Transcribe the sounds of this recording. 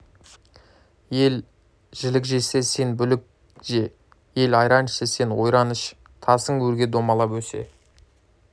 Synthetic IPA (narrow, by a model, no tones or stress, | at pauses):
je̞l | ʒ̥ɪlɪkʒe̞se̞se̞nbʏlɪk̚ | ʒe̞ | je̞lɑjɾɑnəʃese̞nwo̞jɾɑnəʃ | t̪ʰɑsəŋwɵɾɡʲed̪o̞mɑlˠɑpwɵse̞̰